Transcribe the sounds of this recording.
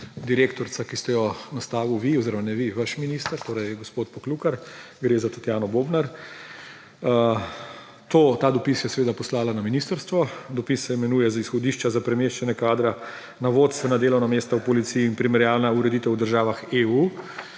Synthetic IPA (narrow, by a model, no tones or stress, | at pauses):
d̪iɾeːkt̪ɔɾsakist̪ɛjɔnast̪aːʋuʋiɔziɾɔmanɛʋiʋaʃminist̪əɾt̪oːɾɐjɡospoːt̪̚pɔklukaɾɡɾeːzat̪at̪jaːnɔboːbnaɾ | t̪oːt̪aːd̪ɔpisjɛsɛʋeːd̪apɔslaːlanaminist̪əɾst̪ʋɔd̪ɔpisːɛimɛnujɛzaisxɔd̪iːʃt͡ʃazapɾɛmeːʃt͡ʃɛnjɛkaːd̪ɾa | naʋoːt̪st̪ʋɛnad̪eːlɔwnameːst̪awpɔlit̪sijiːnpɾimɛɾjaːlnauɾɛd̪it̪ɛwd̪əɾʒaːʋaxeu